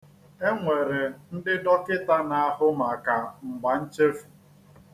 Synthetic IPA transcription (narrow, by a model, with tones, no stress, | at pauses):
e˦ŋʷe˨ɾe˨n̩˦dɪ˦dɔ˦kɪ˦ta˦na˨a˦˨ɦʊ˦ma˨ka˨ŋ͡m̩˨ɡ͡ba˨n̩˦t͡ʃe˦fu̥˨